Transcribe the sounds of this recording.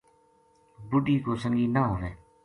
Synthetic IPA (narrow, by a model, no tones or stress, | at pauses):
bʊɖiːkoːsəŋɡiːnaɦoːʋẽː